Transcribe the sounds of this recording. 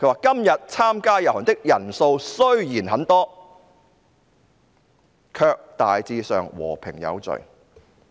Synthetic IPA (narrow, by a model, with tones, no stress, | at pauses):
kʰɵ˨˧˥waː˨˩kɐ˥mjɐ˨t̚t͡sʰaː˥mkaː˥jɐ˨˩whɔː˨˩nt̪ɪ˥k̚jɐ˨˩nso˧wsɵ˥ɥjiː˨˩nɦɐ˨˥nt̪ɔː˥ | kʰœː˧k̚t̪aː˨jt͡siː˧sœː˨ŋwɔ̰ː˨˩pʰɪ˨˩ŋjɐ̰˨˧wt͡sɵ̰˨˩ɥ